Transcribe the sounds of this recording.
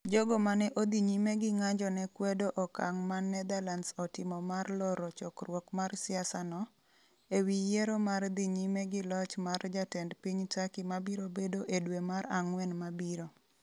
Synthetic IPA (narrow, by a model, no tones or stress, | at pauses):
d͡ʒoɡomanɛʔod̪iɲimeɡɪŋaɲd͡ʒɔnɛkwedoʔɔka̰ŋmanːɛd̪alansɔtɪmɔmarlɔɾɔt͡ʃɔkrwɔkmarsɪasanɔ | ewijeɾomard̪iɲimeɡɪlɔt͡ʃmard͡ʒatɛndpiɲtakimabiɾobedoʔedwemaɾaŋwɛnmabiɾo